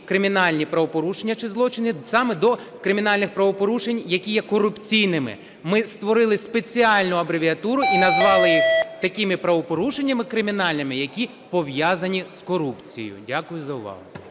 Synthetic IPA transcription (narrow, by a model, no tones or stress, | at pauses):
kɾɪmʲinɑlʲnʲipɾɐʋɔpɔɾuʃenʲːɐt͡ʃɪzlˠɔt͡ʃɪnisɑmɛd̪ɔkɾɪmʲin̪ɑlʲnɪxpɾɐʋɔpɔɾuʃe̞nʲjɐkʲijɛkɔɾʊpt͡sʲijnɪmɪ̰ | mɪst̪ʋɔɾɪlˠɪspe̞t͡sʲiɑlʲnʊɐbɾeʋʲiɐt̪uɾʊʔinɐzʋɑlˠɪjit̪ɐkɪmɪpɾɐʋɔpɔɾuʃenʲːɐmɪkɾɪmʲinɑlʲnɪmɪjɐkʲi | pɔʋjɑzɐnʲiskɔɾupt͡sʲḭjʊ̰dʲakʊjʊzɐʊʋɑ̰ɦʊ